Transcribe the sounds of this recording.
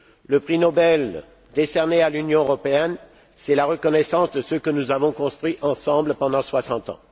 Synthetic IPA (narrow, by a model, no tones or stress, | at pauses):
ləpχinɔbɛl | d̪esɛʁnealynjɔ̃øʁɔpeɛn | sɛlaʁəkɔnɛsɑ̃sd̪əsəkənuzavɔ̃kɔ̃st̪χɥiʔɑ̃sɑ̃bləpɑ̃d̪ɑ̃swasɑ̃t̪ɑ̰̃